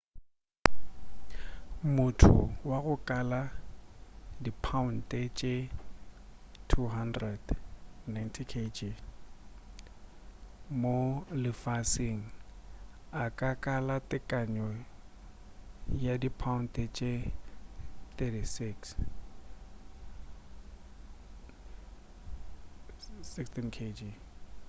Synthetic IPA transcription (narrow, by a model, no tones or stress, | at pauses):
mʊtʰʊ̰waɣʊkʼala | dipʰaʊn̩tʼet͡ʃʼe | tʰuɦandrɛd̥najntʰikʰed͡ʒi | molɪfasɪŋ̩ | akʼakʼalatʼɪkʼaɲɔ | jadipʰaʊn̩tʼet͡ʃʼe | θɛtisiks | sɪkstʰinkʰed͡ʒi